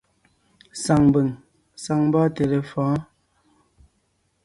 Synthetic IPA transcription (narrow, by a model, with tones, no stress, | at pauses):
sa˨ŋbə˨ŋ | sa˨ŋba˦te˨le˨fãː˨˦